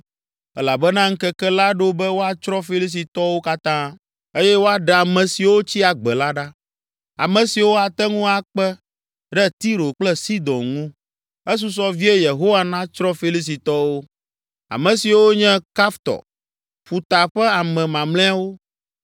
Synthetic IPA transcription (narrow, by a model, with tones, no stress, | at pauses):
ɛ˦la˨bɛ˦nã˦ŋ̩˦kɛ˦kɛ˦la˦ɖo˦bɛ˦wo˦a˨t͡ʃɾɔ˦fi˦li˦s̬i˨t̪ɔ˦wo˦ka˦t̪ã˦ | e˦jɛ˦wo˦a˦ɖɛ˨a˨mɛ̃˨si˨wo˦t͡ɕi˦a˨ɡ͡bɛ˨la˦ɖa˦ | a̰˨mɛ̃˨si˨wo˦a˨t̪ɛ˦ŋũ˦a˨k͡pɛ˦ | ɖɛ˦t̪i˦ɾo˨k͡plɛ˦si˦d̪ɔ̃˨nŋũ˦ | ɛ˦s̬u˦s̬ɔ˦vi˦e˦je˨ɦo˦wa˨nã˦t͡ʃɾɔ˦fi˦li˦s̬i˨t̪ɔ˦wo˦ | a̰˨mɛ̃˨si˨wo˦ɲɛ̃˦ka˦ft̪ɔ̰˨ | ɸu˨t̪a˨ɸɛ˦a˨mɛ̃˨mã˨mlɛ̃˦a˦wo˦